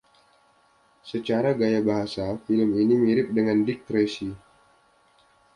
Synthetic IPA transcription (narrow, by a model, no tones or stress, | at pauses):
sət͡ʃaɾaɡajabaɦasafiləminimiɾɪp̚dəŋandikɾesi